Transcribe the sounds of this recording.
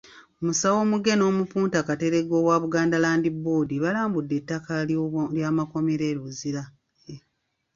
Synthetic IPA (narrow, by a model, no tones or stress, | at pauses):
omusawo̞ːmuɡe̞no̞ːmupuːntakate̞ɾe̞ɡo̞waːβuɡaːndalaːndibo̞ːdiβalaːmbudːe̞tːakaljaːmako̞meɾeːɾuziɾa | je